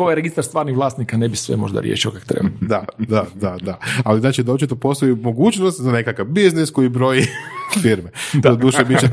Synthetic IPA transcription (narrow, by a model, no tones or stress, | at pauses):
ojeɾeɡist̪aɾst̪ʋaːɾniʋlˠaːsnikanebisʋḛmoʒd̪a̰ɾjḛʃiokakt̪ɾḛbd̪ad̪ad̪ad̪aaliznaːt͡ʃid̪oːt͡ʃit̪opo̞st̪ojimoɡuːt͡ʃnost̪zane̞kakaʋbiznisko̞jibɾo̞jifiɾmet̪od̪uːʃebit͡ʃe